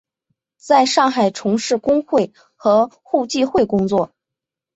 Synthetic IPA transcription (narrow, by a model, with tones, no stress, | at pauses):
t͡sa˥˧ɪʂɑ˥˩ŋxa˨˩ɪʈ͡ʂʰʊ˧˥ŋʂɻ̩˥˩kʊ˥ŋxwe˥˩ɪ | xɤ˧˥ | xu˥˧t͡ɕi˥˧xwe˥˩ɪkʊ˥ŋt͡swɔ˥˩